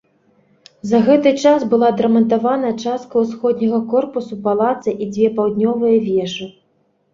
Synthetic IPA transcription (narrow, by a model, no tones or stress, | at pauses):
zɐɣɛt̪ɨt͡ʂasbɨlˠad̪ɾɐmɐnt̪avanɐt͡ʂast̪̚kɐwsxɔd̪nʲɐɣɐkɔrpusupalˠat̪sɨʔid͡zʲvʲɛpawd̪nʲɔvɨjɐvʲɛʂɨ